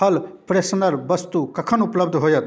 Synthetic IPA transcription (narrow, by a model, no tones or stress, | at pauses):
ʌlpɾesnəɾbʌst̪ukɐkʰənupləb̚d̪ʱɦojɐt̪